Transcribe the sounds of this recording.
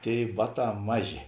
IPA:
ˈtʲeːɪ ˈbɑːˌtɑː ˈmɑːˌʒʲeː

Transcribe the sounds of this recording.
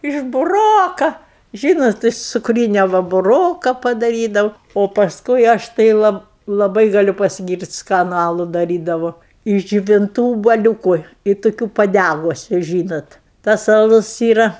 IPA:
ɪʃ bʊˈroːkɐ ˈʒʲiːnoːt ɪʃ t͡sʊkˈrʲiːnʲɛ ˈʋɐ bʊˈroːkɐ pɐdɐˈrʲiːdɐʊ oː pɐsˈkʊɪ ɐʃ tɐɪ ˈlˠɐp lˠɐˈbɐɪ ɡɐˈlʲʊ pɐsʲɪˈɡʲiːrʲtʲ ˈskɑːnʊ ˈɑːlˠʊ dɐˈrʲiːdɐʋoː ɪʃ d͡ʒʲʊʋʲɪnˈtuː ʊbuɔˈlʲuːkʊ ɪ toːˈkʲuː pɐˈdʲæɡʊsʲʊ ˈʒʲiːnoːt tɐs ɐˈlˠʊs ˈiːrɐ

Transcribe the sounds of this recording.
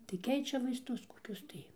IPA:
tɐɪ ˈkʲɛɪt͡ʃʲɛ ʋɐɪsˈtʊs koːˈkʲʊs tɐɪ

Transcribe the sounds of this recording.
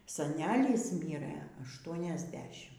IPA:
sɐˈnʲæːlʲiːs ˈmʲiːrɘ ɐʃˌtuɔnʲɛzʲˈdʲæːʃʲɪm

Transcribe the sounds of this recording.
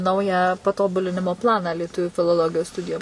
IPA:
ˈnɐʊjæː pɐˈtoːbʊlʲɪnʲɪmoː ˈplˠɑːnɑː lʲiɛˈtʊʋʲuː fʲɪlˠoːˈlˠoːɡʲɪjoːs ˈstʊdʲɪjoːm

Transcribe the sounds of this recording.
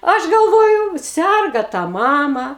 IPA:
ˈɐʃ ɡɐlˠˈʋoːjʊ ˈsʲɛrɡɐ tɑː ˈmɑːmɐ

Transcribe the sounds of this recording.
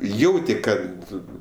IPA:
ˈjɛʊtʲɪ ˈkɐt

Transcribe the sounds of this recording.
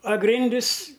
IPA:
ɐ ˈɡrʲɪnʲdʲɪs

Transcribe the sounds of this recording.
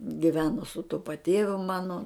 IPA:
ɡʲɪˈʋʲæːnoː sʊ tʊ pɐˈtʲeːʋʲʊ ˈmɑːnoː

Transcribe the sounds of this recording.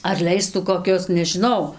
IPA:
ɐr ˈlʲɛɪstuː koːˈkʲʊs nʲɛʒʲɪˈnɐʊ

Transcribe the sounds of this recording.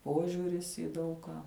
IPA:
ˈpoːʒʲuːrʲɪs iː ˈdɐʊk kɑː

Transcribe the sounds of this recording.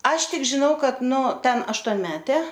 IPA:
ˈɐʃ ˈtʲɪk ʒʲɪˈnɐʊ ˈkɐt nʊ ˈtʲɛn ɐʃtuɔnʲˈmʲæːtʲeː

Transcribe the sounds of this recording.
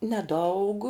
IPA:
nʲɛˈdɐʊk

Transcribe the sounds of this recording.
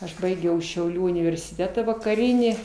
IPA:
ɐʃ ˈbɐɪɡʲɛʊ ʃʲɛʊˈlʲuː ʊnʲɪʋʲɛrʲsʲɪˈtʲæːtɐ ʋɐkɐˈrʲiːnʲiː

